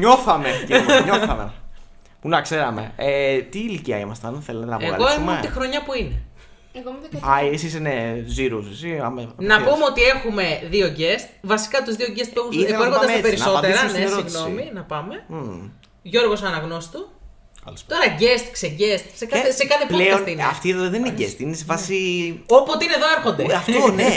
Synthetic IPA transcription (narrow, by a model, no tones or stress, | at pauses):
ɲoθɐmeɲoθɐmḛ | punɐkseɾɐmḛet̪iːliciɐ̰imɐst̪ɐnθelet̪enɐpeɐ̰lɣoiimumoet̪ixɾo̞ɲɐpuinḛ | eɣomðoɐesisineziɾusesiɐmenɐpumeo̞t̪ie̞xume̞ðio̞ʝest̪vɐsi̥kɐt̪uzðio̞ɟest̪puexuneoeɾxond̪ɐzpeɾiso̞eɾɐnesɾiɣno̞minɐpɐme̞ | ʝo̞ɾɣo̞sɐnɐɣno̞si̥t̪u | ɐ̰lt̪o̞ɾɐʝest̪kseʝest̪sekɐθesekɐθepleosnt̪ineɐft̪iðoðɐðeninɟest̪inesefɐsiopot̪eineðo̞eɾxo̞nd̪eɐft̪one